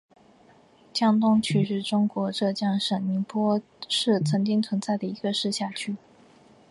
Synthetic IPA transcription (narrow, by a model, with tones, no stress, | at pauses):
t͡ɕjɑ˥ŋt̪ʊ˥ŋt͡ɕʰy˥˧ʂɻ̩˥˩ʈ͡ʂʊ˥ŋkwɔ˧˥ʈ͡ʂɤ˥˧t͡ɕjɑ˥˩ŋʂə˨˩ŋmi˧˥ŋpwɔ˥ | ʂɻ̩˥˩t͡sʰɤ˧˥ŋt͡ɕi˥ŋt͡sʰwə˧˥nt͡sa˥˩ɪd̪ə˩i˧˥ɡə˧ʂɻ̩˥˧ɕja˥˧t͡ɕʰy˥˩